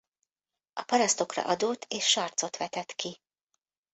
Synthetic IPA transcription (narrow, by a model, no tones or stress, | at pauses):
ɒpɒɾɒst̪o̞krɒ̰ʔɒd̪oːt̪ʰeːʃːɒrt̪so̞t̪ʋɛt̪ɛt̪ki